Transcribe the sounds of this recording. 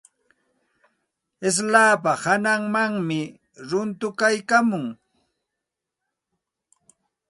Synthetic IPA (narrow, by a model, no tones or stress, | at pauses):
ɪs̬laːpahanaŋmaŋmɪ | ɾʊnt̪ʊkajkamʊŋ